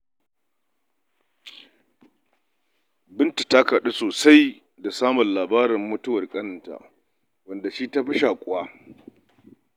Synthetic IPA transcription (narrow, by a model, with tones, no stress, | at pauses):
bɪ˦nti˨ta˦ka˨ɗe˦soː˨sa˦j | da˨saː˦mɔ˨nlaː˨baː˦ɾɪ˨mːʊ˦tʊ˦wɐ˨rkʼɐ˦n˨ta̰˨ | wɐ˦nda˨ʃi˦ta˦ɸɪ˦ʃaː˨kʷʼʊ˦˨waː˦